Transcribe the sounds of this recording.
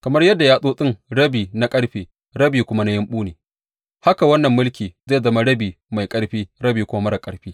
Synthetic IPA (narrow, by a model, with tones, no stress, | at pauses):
kɐ˨mɐ˦rjɐ˦dːa˨jaː˦sʼoː˦sʼɪ˦ŋɽɐ˦biː˨na˦kʼɐ˦ɽɸiː˨ | ɽɐ˦biː˨kʷʊ˦ma˦na˦jɐ˦mɓuː˦neː˨ | ha˦ka˨wɐ˦nːɐ˨mːʊ˦lkʲiː˨za˦˨zɐ˦ma˦ɽɐ˦biː˨ | ma˨jkʼɐ˦ɽɸiː˦ɽɐ˦biː˨kʷʊ˦ma˦mɐ˦ɽa˨kʼɐ˨ɽɸiː˦